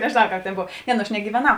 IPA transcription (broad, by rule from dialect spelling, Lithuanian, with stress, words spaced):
nʲɛʒʲeːˈnɐʊ ˈkɑːp tʲeːn ˈboːw ˈnʲɛ nʊ ɐʃ nʲɛɡʲiːʋʲɛˈnɐʊ